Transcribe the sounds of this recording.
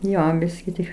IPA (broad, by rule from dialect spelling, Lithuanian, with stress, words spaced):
ˈjoː ˈbʲɪsʲkʲɪ tʲɪk